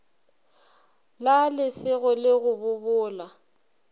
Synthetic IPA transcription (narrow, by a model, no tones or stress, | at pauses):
lalɪsɪɣʊlɪɣʊbʊbʊːla